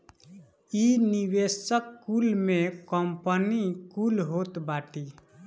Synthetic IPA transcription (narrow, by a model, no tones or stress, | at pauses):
iniʋesəkːulmẽkəmpənikulɦot̪baːʈi